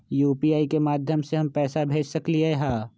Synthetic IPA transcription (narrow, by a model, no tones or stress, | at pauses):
juːpiːaːikemaːd̪ʱjəmseɦɐmpɛːsabʱeːd͡ʒsɐkliɦeɦaː